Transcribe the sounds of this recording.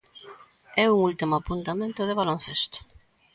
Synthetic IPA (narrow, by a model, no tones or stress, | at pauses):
ɛuŋult̪imʊapunt̪amẽnt̪ʊðeβalon̟θest̪ʊ̥